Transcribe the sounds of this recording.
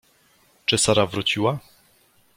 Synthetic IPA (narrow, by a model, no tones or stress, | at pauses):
t͡ʂɘsaɾavɾut͡ɕiwa